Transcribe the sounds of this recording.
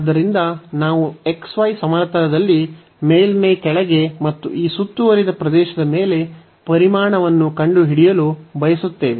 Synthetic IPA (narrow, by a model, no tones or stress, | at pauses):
ɐd̪ːɐɾind̪ɐnaːʋueksʋɐːjsɐmaɾt̪ɐɾɐd̪ɐlːi | meːjlmekɛɭɐɡe̞mɐt̪ːṵʔiːsut̪ːuʋɐɾid̪ɐpɾɐd̪ɛːʃɐd̪ɐme̞ːle̞ | pɐɾimaːɳɐʋɐnːukɐɳɖuɦiɽijɐlubɐjɐsut̪ːe̞ːʋe